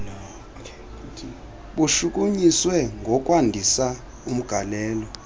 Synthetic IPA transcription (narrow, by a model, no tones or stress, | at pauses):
ɓuʃuk̬ʼuɲiswɛŋɡʱɔkʼwandʱisa | um̩ɡ̥ʱalɛːlɔ